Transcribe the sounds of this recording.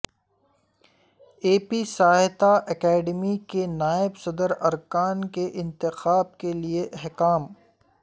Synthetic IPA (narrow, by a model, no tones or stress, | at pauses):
eːpisaːɦɪt̪aʔɛkɛːɖmikenaːɪbsɐd̪əɾɐɾkaːnkeʔɪ̃nt̪ɪxaːb̚kelieʔɛɦkaːm